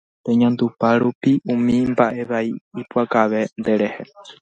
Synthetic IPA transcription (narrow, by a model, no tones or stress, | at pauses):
pe̞ɲãnd̪upaɾupiʔũmĩmbaʔe̞ʋaiipuakaʋe̞nd̪e̞ɾe̞he̞